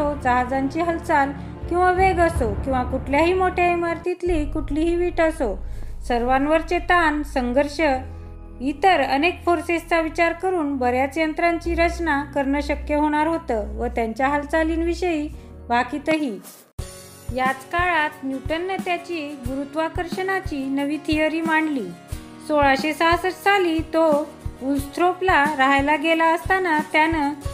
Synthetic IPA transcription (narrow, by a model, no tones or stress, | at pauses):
od͡zəɦad͡zaɲt͡ɕiɦəlt͡sal | kĩw̃ʋaʋeɡəsokĩw̃ʋakuʈʰljaɦiːmoʈʰjaemaɾt̪it̪liːkuʈʰliːɦiːʋiːʈəsosəɾʋanʋəɾt͡set̪ansəŋɡʱəɾɕə | it̪əɾənekfoɾsest͡saʋit͡ɕaɾkəɾuːnbəɾjat͡sjənt̪ɾaɲt͡ɕiːɾət͡ɕnakəɾɳəɕəkjəɦoɽ̃aɾɦot̪əːʋət̪jaɲt͡ɕjaɦalt͡saliːnʋiɕəiː | bʱakiːt̪əɦiː | jat͡skaɭat̪njuʈənːət̪jat͡ɕiːɡuɾut̪ʋakəɾɕənat͡ɕiːnəʋiːt̪ʰijəɾiːmaɳɖliː | soɭaɕesaɦsət͡st͡saliːt̪o | ulst̪ʰɾoplaɾaɦajlaɡelaəst̪anat̪janə